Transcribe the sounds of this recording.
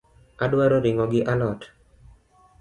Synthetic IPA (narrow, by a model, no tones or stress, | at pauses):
adwaɾɔɾɪŋɔɡɪʔalɔt